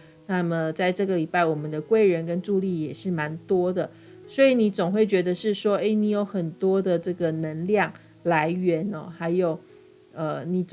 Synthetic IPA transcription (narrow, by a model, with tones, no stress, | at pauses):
na˥˩mə˩t͡sa˥˧ɪʈ͡ʂɤ˥˩ɡə˩li˨˩pa˥˩ɪwɔ˨˩mə˦nd̪ə˨kwe˥˩ɪɻə˧˦nkə˦nʈ͡ʂu˥˧li˥˩jɛ˨˩ʂɻ̩˥˩ma˧˦nt̪wɔ˥d̪ə˨ | swɔ˧˥i˨˦ni˨˩˥t͡sʊ˨˩ŋxwe˥˩ɪt͡ɕɥɛ˧˥d̪ə˧ʂɻ̩˥˩ʂwɔ˥e˥ɪni˧˥jo˧˥ʊxə˨˩nt̪wɔ˥d̪ə˨ʈ͡ʂɤ˥˩ɡə˩nə˧˦˥nljɑ˥˩ŋ | la˧˦ɪɥɛ˧˦nɔ˨xa˧˥ɪjo˨˩ʊ | ə˧˩ni˨˩t͡s